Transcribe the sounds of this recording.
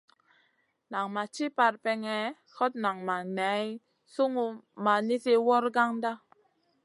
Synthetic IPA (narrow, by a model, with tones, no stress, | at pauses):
na˨ŋma˨t͡ʃi˦pa˧ɾ̚pɛ˧ŋɛ˨ | hɔ˦t̚na˨ŋma˨nɛ˨˦j | su˦ŋu˧ma˨ni˦si˦wɔ˦ɾɡa˦ŋda˦